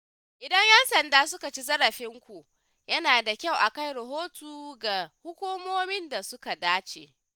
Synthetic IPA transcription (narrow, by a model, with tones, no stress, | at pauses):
ʔɪ˨dɐ˦ɲjɛ˦nsɐ˨ndaː˦sʊ˦ka˨t͡ʃi˦zɐ˦ɾɐ˨ɸɪ˦ŋkʷu˨ʔ | jɐ˦naː˨da˨kʲa˦˨wʔa˨kɐ˦˨jɾɐ˨ɦoː˦tuː˨ɡa˨hʊ˦kʷuː˦moː˦mɪ˦nda˨sʊ˦ka˨daː˦t͡ʃeː˨